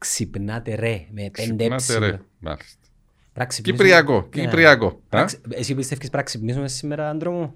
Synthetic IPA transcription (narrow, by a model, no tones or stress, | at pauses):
ksipnat̪eɾemepend̪enasɾe | ma̰list̪ | pɾaksikiipɾiakokipɾiakoasesiipist̪efkʲispɾaksipnis̬muesːimeɾɐnd̪ɾomu